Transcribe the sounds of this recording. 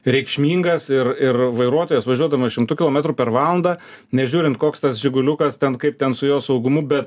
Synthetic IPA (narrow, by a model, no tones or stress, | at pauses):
ɾʲɛɪkʃʲmʲiːŋɡɐsɪrɪrʋɐɪɾuɔt̪oːjɛsʋɐʒʲuɔd̪ɐmɐʃʲɪmt̪ʊkʲɪlˠoːmʲɛt̪ɾʊpʲɛɾʋɑːlˠɐnd̪ɑːnʲɛʒʲuːɾʲɪnt̪koːkst̪ɐsʒʲɪɡʊlʲʊkɐst̪ʲɛnkɐɪp̚t̪ʲɛnsʊjoːsɐʊɡʊmʊbʲɛt̪